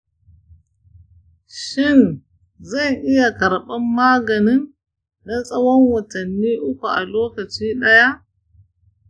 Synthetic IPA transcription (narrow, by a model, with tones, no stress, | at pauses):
ʃɪ˦˨n | zɐ˦˨ŋʔɪ˦ja˨kɐ˨ɾɓɐ˦mːaː˦ɡɐ˨nɪ˦nː | a˦sʼɐ˦wɔ˦ŋwɐ˨tɐ˨nːiː˦ʔʊ˦kʷu˨ʔa̰˨loː˦kɐ˨t͡ʃiː˦ɗɐ˦ja˦ʔ